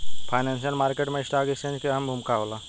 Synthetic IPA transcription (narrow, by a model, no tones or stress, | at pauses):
pʰaːɪnẽːnʃijəlmaːɾkeːʈmẽɪsʈaːkekst͡ʃẽːnd͡ʒkeɦəmbʱʊmkaoːlaː